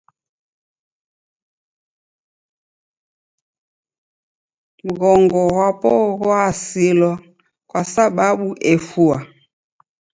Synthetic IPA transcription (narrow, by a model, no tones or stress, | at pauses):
m̩ɣɔŋɡɔɣwapɔɣɔasilɔ | kwasaɓaɓuʔɛfua